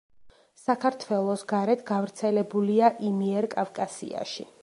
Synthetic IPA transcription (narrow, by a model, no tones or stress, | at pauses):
sakʰaɾt̪ʰwɛlˠɔsɡaɾɛt̪ʰɡavɾt̪sʰɛlɛbuliaʔimiɛɾkʼavkʼasḭa̰ʃḭ